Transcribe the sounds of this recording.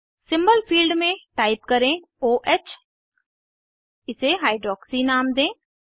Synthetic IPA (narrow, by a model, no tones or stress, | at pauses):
sɪ̃mbəlpʰiːlɖmẽʈaːɪp̚kɐɾẽ | oːʔɛːt͡ʃ | ɪseɦaːɪɖɾɔːksinaːmd̪ẽː